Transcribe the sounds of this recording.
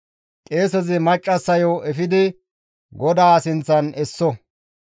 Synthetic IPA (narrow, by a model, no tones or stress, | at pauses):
kʼeːsɔzɪmɐt͡ʃʼːɐsːɐjoʔɛfɪd̪ɪ | ɡɔd̪aːsɪnt͡sːɐnɛsːɔ